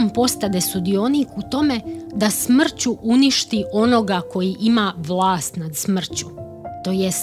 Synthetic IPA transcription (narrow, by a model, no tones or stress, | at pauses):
mpo̞st̪ad̪esud̪io̞nikut̪o̞me̞d̪asmr̩t͡ɕuʔuniʃt̪iʔo̞no̞ɡako̞jiʔimaʋlˠaːst̪nad̪smr̩t͡ɕu | t̪o̞ːjes